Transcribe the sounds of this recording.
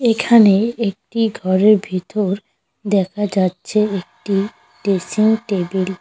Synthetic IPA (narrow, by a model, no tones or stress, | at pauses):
ekʰaneek̚ʈiɡʱɔɾeɾbʱit̪oɾ | d̪ɛkʰad͡ʑatːɕʰeek̚ʈi | ʈesiŋʈebil